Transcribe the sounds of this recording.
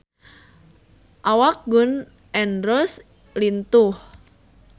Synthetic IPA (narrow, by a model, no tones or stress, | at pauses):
ʔawak̚ɡʊn | ʔɛnɾɔs | lint̪ʊh